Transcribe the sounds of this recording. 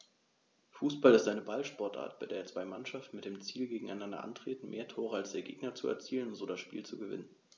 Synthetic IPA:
fuːsb̥alɪstʔaɪnəbalʃpɔɐtʔa̰ːɐt̚b̥aɪdeːɐt͡sv̥aɪmanʃaftn̩mɪt̚d̥eːmt͡siːlɡeːɡŋ̩aɪnandɐ̰ʔa̰ntʁ̥eːtn̩mʔeːɐtʰoːʁəalsd̥eːɐɡḛːɡnɐt͡suɛ̰ɐt͡siːlənzoːdasʃpḭːlt͡suɡəvɪ̰nən

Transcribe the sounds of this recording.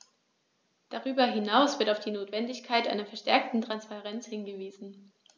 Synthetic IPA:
d̥aʁyːbɐɦɪnaʊsv̥ɪɐtaʊfd̥iːnoːtv̥ɛndɪçkʰaɪtʔa̰ɪnɐfɛɐʃtɛɐk̚tn̩tʁ̥anspaʁɛnt͡shɪnɡəviːzn̩

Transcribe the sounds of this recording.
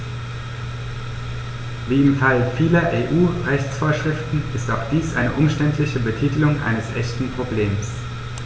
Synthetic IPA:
viːɪmfalfiːlɐʔeːʔuːʁɛçt͡sfoːɐʃʁ̥ɪftn̩ɪstaʊxd̥iːsʔa̰ɪnəʔʊmʃtɛntʰlɪçəbətʰiːtəlʊŋʔa̰ɪnəsʔɛçtn̩pʁ̥obleːms

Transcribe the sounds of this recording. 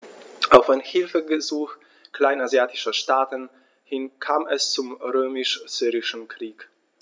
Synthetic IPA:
ʔaʊfaɪnhɪlfəɡəzuːx | kl̥aɪnazjaːtɪʃɐʃtaːtən̩ | hɪnkʰaːmɛst͡sʊmʁøːmɪʃz̥yːʁɪʃn̩kʁ̥iːk

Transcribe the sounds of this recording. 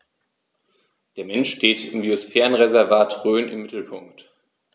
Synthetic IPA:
d̥eːɐmɛnʃʃteːtɪmɡiosfɛːʁənʁezɛɐvaːtʁøːnɪ̰mːɪtl̩pʰʊŋkt

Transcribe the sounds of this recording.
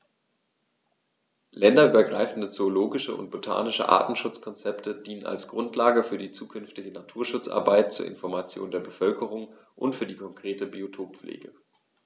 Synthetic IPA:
lɛndɐʔyːbɐɡʁaɪfn̩dət͡soːloːɡɪʃəʔʊ̰nt̚b̥otʰa̰ːnɪʃə̰ʔa̰ːtn̩ʃʊt͡skʰɔnt͡sɛptʰədiːnəna̰lsɡ̥ʁʊntʰlaːɡəfyːɐdiːt͡suːkʰʏnftɪɡənatʰuːɐʃʊt͡sʔa̰ɐbaɪt̚t͡suːɐʔɪ̰nfɔɐmat͡sjo̰ːndeːɐbəfœlkʰəʁ̞ʊŋ | ʔʊ̰ntfyːɐdiːkʰɔŋkʁ̥eːtəbiotʰoːpp͡flʔḛːɡə

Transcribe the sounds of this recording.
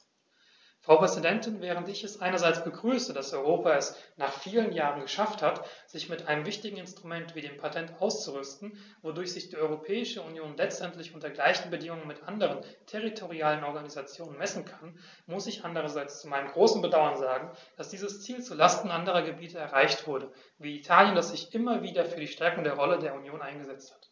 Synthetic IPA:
fʁ̥aʊpʁ̥ɛzidɛntɪnvɛːʁ̞əntɪçɛsʔaɪnɐzaɪt͡sb̥əɡʁyːsədasɔʏʁoːpaɛsnaːχfiːlənjaːʁənɡəʃafthatz̥ɪçmɪtʔaɪnəmvɪçtɪɡŋ̩ɪnstʁ̥umɛntv̥iːdeːmpʰatʰɛntʔaʊst͡suʁʏstn̩ | vodʊɐçz̥ɪçd̥iːɔʏʁopʰɛːɪʃəunjoːnlɛt͡stʔɛntlɪçʔʊntɐɡlaɪçn̩bədɪŋʊŋənmɪtʔandəʁ̞əntʰɛʁ̞itʰoʁiaːlənɔɐɡanizat͡sjoːnənmɛsn̩kʰan | mʊsɪçʔandəʁɐzaɪt͡st͡sumaɪnəmɡʁoːsn̩bədaʊɐnzaːɡŋ̩d̥asd̥iːzəst͡siːlt͡suːɐlastn̩ʔandəʁ̞ɐɡəbiːtəɛɐʁaɪçtv̥ʊɐdə | viːitʰaːljəndasz̥ɪçʔɪmɐviːdɐfyːɐdiːʃtɛɐkʊŋdeːɐʁɔlədeːɐunjoːnʔaɪnɡəzɛt͡sthat

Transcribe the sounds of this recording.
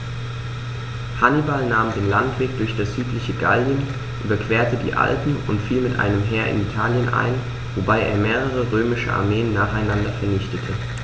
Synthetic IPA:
hanibalnaːmdeːnlantv̥eːk̚d̥ʊɐçd̥asz̥yːtlɪçəɡa̰ljən | ʔyːbɐkv̥eːɐtədḭːʔa̰lpm̩ʊntfiːlmɪtʔa̰ɪnəmɦɛːɐʔɪ̰nitʰaːljənʔa̰ɪn | vobaɪʔḛːɐmeːʁ̞əʁ̞əʁøːmɪʃə̰ʔa̰ɐmeːənːaːχaɪnandɐfɛɐnɪçtətʰə

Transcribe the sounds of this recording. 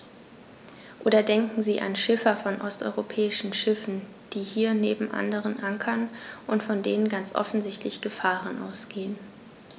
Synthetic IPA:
ʔoːdɐdɛŋkŋ̩ziːʔa̰nʃɪfɐfɔnʔɔstʔɔ̰ʏʁopʰɛːɪʃn̩ʃɪfn̩ | d̥iːhiːɐneːbm̩ʔa̰ndəʁ̞ənʔaŋkʰɐnʔʊntfɔndeːnənɡant͡sʔɔ̰fn̩zɪçtʰlɪçɡ̥əfaːʁənʔa̰ʊsɡ̥eːən

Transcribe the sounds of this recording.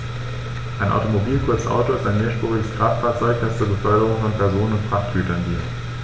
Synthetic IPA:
ʔaɪnʔa̰ʊtomobiːlkʰʊɐt͡sʔa̰ʊtoɪstaɪnmeːɐʃpʁ̥uːʁɪɡəsɡ̥ʁaːftfaːɐt͡sɔʏkd̥ast͡suːɐbəfœlkəʁ̞ʊŋfɔnpʰɛɐzoːnənʊntfʁ̥aχtɡ̥yːtɐnɡiːt

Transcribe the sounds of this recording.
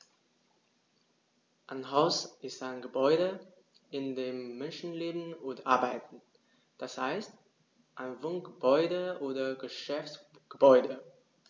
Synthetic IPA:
ʔaɪnɦaʊsʔɪstaɪnɡəbɔʏɾə | ɪndeːmːɛnʃn̩leːbn̩ʊntʔaɐbaɪtn̩ | d̥ashaɪst | ʔaɪnvʊŋɡ̥əbɔʏdəʔoːdɐɡəʃɛfts | ɡ̥əbɔʏdə

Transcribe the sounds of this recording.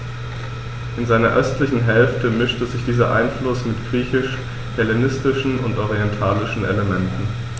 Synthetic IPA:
ʔɪnzaɪnɐʔœstlɪçn̩ɦɛlftəmɪʃtəzɪçd̥iːzɐʔa̰ɪnflʊsmɪtɡ̥ʁiːçɪʃ | hɛlenɪstɪʃn̩ʊntʔɔʁiɛntʰaːlɪʃn̩ʔḛləmɛntn̩

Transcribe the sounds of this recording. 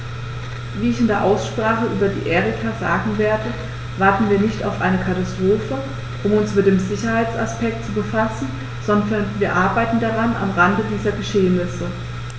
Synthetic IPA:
viːɪçɪndeːɐʔaʊsʃpʁ̥aːχəʔyːbɐdḭːʔɛːʁikʰaza̰ːɡŋ̩veːɐdə | v̥aɐtn̩viːɐnɪçta̰ʊfʔaɪnəkʰatastʁ̥oːfə | ʔʊmʊnsmɪt̚d̥eːmzɪçɐhaɪt͡sa̰spɛk̚tt͡subəfasn̩ | z̥ɔndɐnviːɐʔaɐbaɪtn̩daʁana̰mʁandədiːzɐɡəʃeːənɪsə

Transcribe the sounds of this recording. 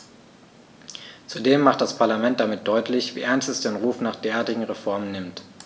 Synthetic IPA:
t͡sudeːmːaχt̚d̥aspʰaɐlamɛnt̚d̥amɪt̚d̥ɔʏtlɪçv̥ḭːʔɛɐnstɛsd̥eːnʁuːfnaːχd̥eːɐʔaːɐtɪɡŋ̩ʁefɔɐmənːɪmt

